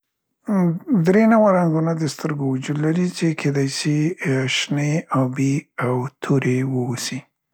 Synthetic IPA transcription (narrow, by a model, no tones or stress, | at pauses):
d̪ɾenawaɾaŋɡunad̪əst̪əɾɡowad͡ʒud̪laɾit͡ʃekʰed̪ajsiʃneɑbiawt̪ʰoɾewəusi